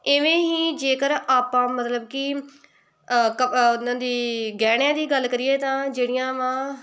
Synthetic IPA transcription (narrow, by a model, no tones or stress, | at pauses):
ɪʋẽːɦiːd͡ʒeːkəɾaːpãːmət̪ləbkɪ | kənãːd̪iːɡɛːɽjãːd̪iːɡəlkəɾɪjeːt̪ãːd͡ʒeːɽɪjãːʋãː